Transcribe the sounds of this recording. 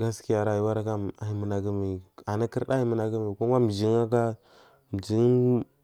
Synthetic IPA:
ɡa˦ski˦ja˨ɾa˨i˨wa˦ɾa˦ka˦a˨i˦mə˨na˨ɡi˦mi˨a˨na˦ki˦ɾɗa˦i˦mə˨na˨ɡi˦mi˨ku˦ma˦m˨d͡ʒi˦ŋa˦ka˦ | m˨d͡ʒi˦

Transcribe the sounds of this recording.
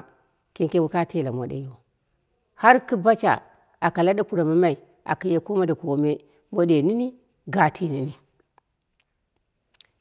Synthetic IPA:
ki˦ŋke˦wu˦ka˦te˦˨la˨mo˨ɗḛ˨jo˦ | ha˦ɾki˦ba˦t͡ʃa̰˨ | a˨ka˨la˦da˦ku˨ɾa˨ma˦ma˦i˨ | a̰˨ki˦je˦ku˦ma˦da˨ku˨wo˨˦me˦ | mo˦de˨ni˦ni˦ | ɡa˨tʰi˨ni˨ni˦

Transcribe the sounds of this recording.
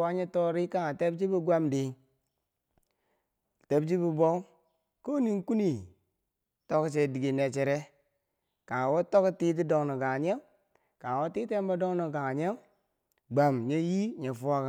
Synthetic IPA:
a˦ɲe˦to˦ɾi˦ka˦ŋa˨te˦bd͡ʒi˦bi˦ɡʷa˦mdi˨ŋ˨ | te˦bd͡ʒi˦bi˦˨bo˦ | ko˦ni˦ŋku˦ni˨ | to˦kt͡ʃe˨di˨ɡe˨ne˨t͡ʃe˨ɾe˦ | ka˨ŋ˨wo˦to˦kti˦t̬i˦do˨ŋno˨ɡa˨ɲe˦ŋ | ka˨ŋ˨wo˦ti˦te˦m˦ba˦do˦ŋno˨ɡa˨ŋa˨ɲe˦ŋ | ɡ͡ba˨mɲe˦ji˦ɲe˨fu˦a˦ka˨

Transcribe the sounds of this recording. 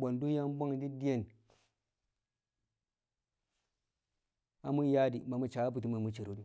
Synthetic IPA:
bo˨ndu˦ja˦m˦bo˦ŋ˨di˦di˦je˦˨n | a˨mu˦ja˦di˨ma˨mu˨t͡ʃa˨˦bu˨ti˦ma˨mu˨˦t͡ʃi˨ɾo˦di˦˨

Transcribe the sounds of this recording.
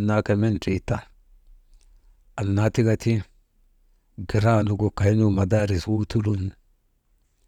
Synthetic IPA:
nːa˦ke˨me˦nti˨t̪a˦ | a˨nːa˦t̪i˦ɡa˦t̪i˦ | ɡi˨ɾaː˦nu˨ɡo˨ka˨i˦nu˦ma˨d̪aː˦ɾi˨swu˦t̪u˦lu˦n

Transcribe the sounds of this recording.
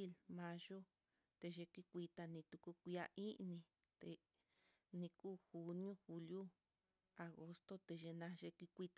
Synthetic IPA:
i˦lmã˧ʒo˦ | t̪e˧ʒe˧kʷi˧kʷi˧t̪a˧nĩ˧t̪u˧ku˧kʷi˧a̰˧ʔĩ˦ʔnĩ˧ | t̪e˧ | nĩ˧kuː˦˨xu˧nĩ˦õ˦xu˧lju˦ | a˨ɣo˧st̪o˦t̪e˧ʒe˧nã˧ʒe˧kʷi˧kʷi˧t̪a˨

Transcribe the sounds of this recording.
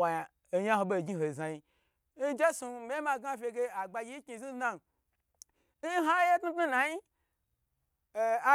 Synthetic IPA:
a˨ja˨ | e˨ɲa˦ɦo˧ɓo˦˧˨ɡʲi˦ɦo˨za˨ji˧ | n̩˦d͡ʒe˦su˧˨m˦e˦ma˧˨ɡa˦˨fʲe˧ɡe˧a˨ɡ͡ba˧ɡʲi˦ki˧˨zi˦na˦n˨ | n̩˦ɦa˦je˦tnu˦tnu˦na˨ji˦˨ | a˦

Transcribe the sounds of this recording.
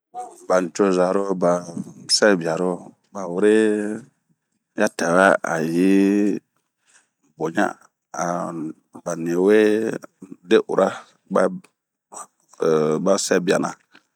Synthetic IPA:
ba˨n˨t͡ʃo˦za˨ɾo˦ba˨sɛ˦˨bi˨a˨ɾo˦ | ba˨wu˦ɾe˦ | ja˦ta˨wa˦a̰˨ji˦ | bo˨ɲa̰˦ | a˨ | ba˨ni˨we˦ | de˦ʔṵ˨ɾʔa˦ | ba˦˨ | ba˦sɛ˦˨bi˨a˨na̰˨

